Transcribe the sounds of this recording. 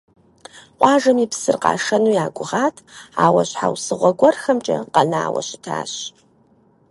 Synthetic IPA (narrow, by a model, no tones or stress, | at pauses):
qʷɑːʐɐmipsɨrqɑ̰ːʂɐnuːjaːɡʷʊʁaːtʰa̰ːwɐɕħa̰wsɨʁʷɔɡʷɔrxɐmt͡ʃʼɐ̰qɐnaːwɐ̰ɕɪtʰa̰ːɕ